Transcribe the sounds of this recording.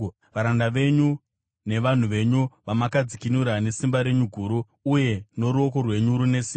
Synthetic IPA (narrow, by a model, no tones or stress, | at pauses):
ʋaɾandaʋe̞ɲu | ne̞ʋan̤uʋe̞ɲuʋamakad͡zikinuɾane̞simbaɾe̞ɲuɡʱuːɾuː | je̞no̞ɾuo̞ko̞rwe̞ɲuɾune̞siːma